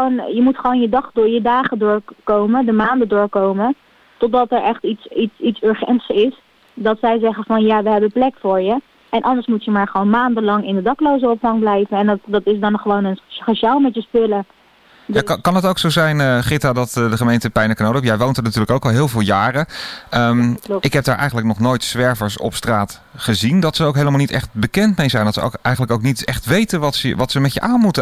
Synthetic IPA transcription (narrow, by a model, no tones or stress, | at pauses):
onjəmutχəʋownjədɑχdʊːɹjədaːχədʊːɹkowmədəmaːndədʊːɹkowmə | tɔt̚dɑtɛɹɛχtitsitsitsøɹχɛntsɪs | dɑtsɛjzɛχəvɑnjaːʋəɦɛbəplɛkfʊːɹjə | ʔɛnʔɑndəɹsmutjəmaːɹχəʋownmaːndənlɑŋɪndədɑklowzəɔpfɑŋblɛjvənɛntdɑtɪzdɑnχəʋownəneʃaːlˠmɛtjəspɵlə | jaːkɑnətowksowzɛjnəχɪtaːdɑtdəχəmejntəpɛjnəkənowdpjɛjʋowntəɹnatyːɹləkowkɑlˠɦɪːlˠvɪːlˠjaːrəəmʔɪkɦɛb̚daːɹʔɛ̰jχənləknɔχnojtsʋɛɹvəɹsɔ̰pstraːt | χəzindɑtsəowkɦejləmalˠnitɛ̰χt̚bəkɛntmejzɛjndɑtsəo̰kʔɛjχənləkoʊwknitɛχtʋejtənʋɑtsə̰ʋɑtsəmɛtjə̰ʔaːnmutə